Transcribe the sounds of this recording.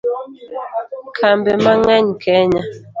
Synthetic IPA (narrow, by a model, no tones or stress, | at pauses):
kʰambɛmaŋɛɲkʰɛɲa